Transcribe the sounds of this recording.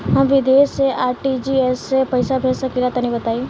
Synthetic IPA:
ɦɐ̃mʋɪd̪eːseaːɾʈid͡ʒiesːepɐɪsabʱeːlsɐkilat̪ɐnĩbɐt̪aːi

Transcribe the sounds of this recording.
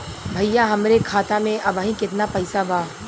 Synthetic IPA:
bʱɐjjaɦɐmɾekʰaːt̪amẽʔɐbaːɦĩkɪt̪napɐɪsabaː

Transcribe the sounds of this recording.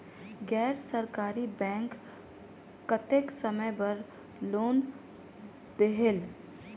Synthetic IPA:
ɡɛːɾsəɾkaːɾibɛ̃ːŋkː | ət̪eksəməbəɾ | loːn | d̪eɦel

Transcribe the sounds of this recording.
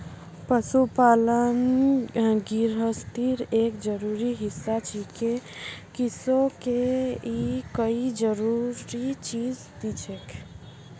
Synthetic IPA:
pəsupalən | ɡiɾɦəst̪iɾekd͡ʒəɾuɾiɦisːat͡ʃikekisokeikəid͡ʒəɾuɾit͡ʃid͡ʒ | d̪it͡ʃʰekʰ

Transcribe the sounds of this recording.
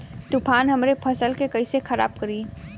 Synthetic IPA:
t̪upʰanɦəmɾepʰəsəlkekəɪsekʰəɾa̰b̚kəɾi

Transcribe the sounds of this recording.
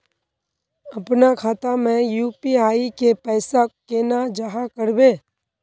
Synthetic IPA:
ɐpnakʰaːt̪amẽjuːpiaːikepɛːsakeːnad͡ʒaɦakəɾbeː

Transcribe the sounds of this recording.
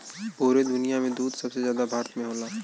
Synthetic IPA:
puːɾed̪ʊnijamẽd̪uːd̪sɐbsezjaːd̪abʱaːɾt̪mẽɦoːlaː

